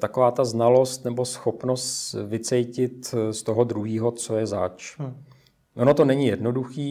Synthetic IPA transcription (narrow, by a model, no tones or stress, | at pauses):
t̪akovaːt̪aznalo̞st̪nɛbo̞sxo̞pno̞st̪vɪt͡sɛjcɪt̪st̪o̞ɦod̪ɾuɦiːɦo̞t͡so̞jɛzat͡ʃ | ʔonot̪onɛɲɪjɛdno̞duxiː